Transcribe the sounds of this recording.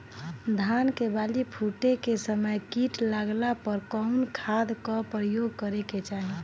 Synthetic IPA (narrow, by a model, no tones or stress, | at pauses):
d̪ʱankebalipʰuʈekesəməjkiʈlaɡlapəɾkɔʊnkʰad̪kɔpɾəjoɡ̚kəɾeket͡ʃaːɦi